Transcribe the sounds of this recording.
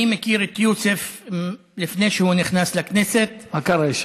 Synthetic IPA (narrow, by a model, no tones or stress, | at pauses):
imekiʁet̪jusef | lifne̞jʃehuniχnaslakneset̚makaɾaiʃ